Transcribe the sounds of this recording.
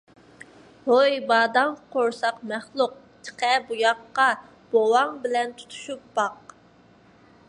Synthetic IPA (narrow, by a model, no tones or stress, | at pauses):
boibɑːd̪ɑŋqʰoɾsɑqmæχlˠʊq̚ | t͡ʃʰɪ̥qʰɛbujɑqːɑ | b̥owɑŋbɪlɛnt̪ʰu̥t̪ʰu̥ʃup̚b̥ɑq